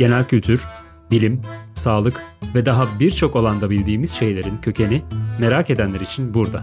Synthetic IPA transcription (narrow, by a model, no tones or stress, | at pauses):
ɟ̥e̞nælʲcʰylʲt̪ʰyɾ̥ | bilʲimsaːlˠɯkvɛd̪aɦabiɾt͡ʃʰo̞ko̞lˠand̪abilʲd̪iːmiz̥ʃe̞jlʲe̞ɾincʰø̞cʰe̞nime̞ɾake̞d̪ænlʲeɾit͡ʃʰinbuɾd̪a̰